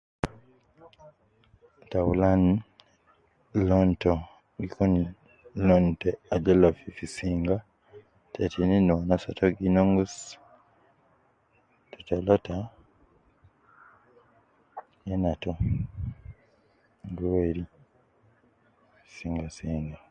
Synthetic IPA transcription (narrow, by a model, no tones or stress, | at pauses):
tawulan | lonto | ɡikuni | lonteaɟelafifisiːŋɡa | tʰetʰininonasatʰoɡinoŋɡus | tʰotolotʰa | jenato | nduweɾi | siːŋɡasiːŋɡa